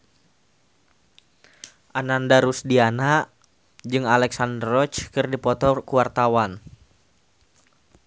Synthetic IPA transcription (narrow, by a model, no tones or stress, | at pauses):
ʔanandaɾusdianaʔ | d͡ʒɨŋalɛksandrɔt͡ʃkɨrdipɔt̪ɔkuwart̪awan